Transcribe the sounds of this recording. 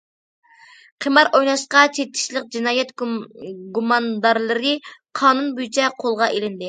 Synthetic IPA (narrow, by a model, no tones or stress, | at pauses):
qʰəmɑɾʔojnɑʃqɑt͡ʃʰet̪ʰːɪ̥ʃlˠɪq̚d͡ʒinɑːjɛt̪ | ɡumɑnd̪ɑɾlˠɨɾɪqʰɑːnunbyt͡ʃʰɛqʰolˠʁɑʔelɪnd̪ɪ